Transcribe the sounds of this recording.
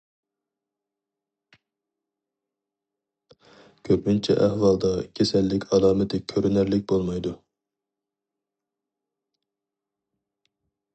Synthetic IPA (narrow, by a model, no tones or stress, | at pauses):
kʲʰøpmynt͡ʃʰɛ̰ʔɛhwɑlˠd̪ɑkʲʰesɛlːɪkʲʰɑlˠɑːmɪt̪ʰɪkʲʰøɾynæɾlɪk̚ʲbolˠmɑjd̪u